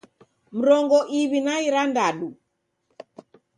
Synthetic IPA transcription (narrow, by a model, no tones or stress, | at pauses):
m̩ɾɔŋɡɔʔiβinaiɾandaɗu